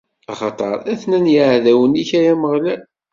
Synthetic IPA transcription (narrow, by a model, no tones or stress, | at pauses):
ɑχɑt̪ˤɑ̰ɾˤæθnænjəʕðæwəniçæjæməʁlæ